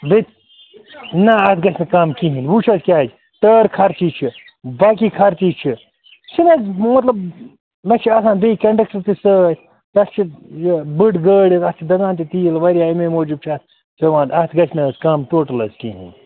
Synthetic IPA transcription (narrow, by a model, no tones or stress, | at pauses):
bet̪ | nɐɐt̪ʰɡɐt͡ʃʰnɐkaːmkiɦinʋuːt͡ʃʰɐzkʲaːd͡ʒ | ʈ̪əːɾkʰɐɾt͡ʃiːt͡ʃʰi | baːk̬iːkʰɐɾt̪iːt͡ʃʰi | sinɐzmɐt̪lɐb | lɐt͡ʃʰiaːsaːnd̪ɐikɐɳɖɐk̚t͡ʃɐɾt̪isətʰʲ | t̪ɐst͡ʃʰijbɨʈɡəːɽʲit̪ɐst͡ʃʰid̪ɐɡãːnt̪it̪iːlʋɐɾijaːmemoːd͡ʒub̚t͡ʃʰiɐt̪̚ʰ | sɐʋãːnd̪ɐt̪ʰɡɐt͡ʃʰnɐskaːmʈoːʈɐlɐzkiɦḭnʲ